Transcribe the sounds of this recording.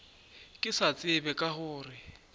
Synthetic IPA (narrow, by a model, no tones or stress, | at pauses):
kʼɪsat͡sʼɪbɛkʼahʊːrɪ